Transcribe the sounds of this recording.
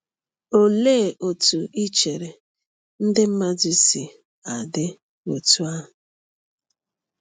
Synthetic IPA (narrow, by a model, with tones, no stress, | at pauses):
o˨le˦˨ʔo˨tu˨ʔi˦t͡ʃe˨ɾe˨ | n̩˦dɪ˦m̩˦ma˦d͡ʒi˦si˨ | a˨dɪ˦ | o˨tu˦a˦ɦʊ˨